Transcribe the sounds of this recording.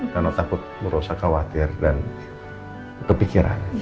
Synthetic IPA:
manot̪akʊt̪̚məɾosakawat̪ɪrdan | kəpikiɾa̰n

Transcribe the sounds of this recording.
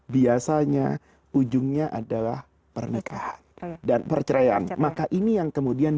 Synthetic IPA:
biasaɲa | ud͡ʒʊŋɲaʔadalah | pərnəkʰahandanpərt͡ʃəɾaja̰nmakaʔinijaŋkəmudian

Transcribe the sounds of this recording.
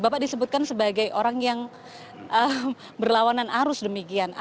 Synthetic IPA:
bapaʔdisəbʊt̪̚kansəbaɡajʔoɾaŋjaŋ | ʔə | bərlawananaɾʊsdəmikiana

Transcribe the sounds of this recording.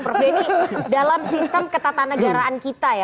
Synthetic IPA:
pərbɛdalamsist̪əmkət̪at̪anəɡaɾaankit̪aja

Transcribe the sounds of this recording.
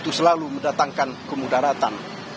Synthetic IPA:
t̪usəlaluməndat̪aŋkankəmudaɾat̪an

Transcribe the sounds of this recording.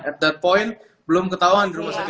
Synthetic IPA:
ɛt̪̚d̪ɛt̪̚pɔjnt̪̚ | bəlʊmkət̪auɦandiɾumasat̪i

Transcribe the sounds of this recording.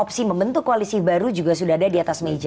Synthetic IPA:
ɔpsiməmbənt̪ukkːoalisibaɾud͡ʒuɡasudaɦadadiat̪asmed͡ʒa

